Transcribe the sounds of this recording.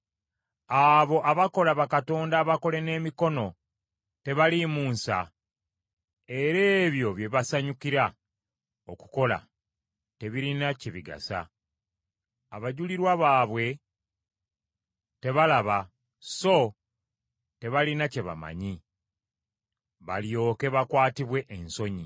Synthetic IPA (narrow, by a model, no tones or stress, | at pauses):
aβo̞ʔaβako̞laβakato̞ːndaβako̞le̞ne̞ːmiko̞no̞ | te̞βalimuːnsa̰ | e̞ɾe̞ːβjo̞βje̞βasaɲukiɾa | oku̥ko̞la̰ | te̞βiɾinaciβiɡa̰sa̰ | aβaɟuliɾwaβaːβwe̞ | te̞βalaβa | so̞ | te̞βalinace̞βa̰ma̰ɲi | βa̰ljo̞ːke̞βakwaːtiβwe̞ʔːnso̞ɲi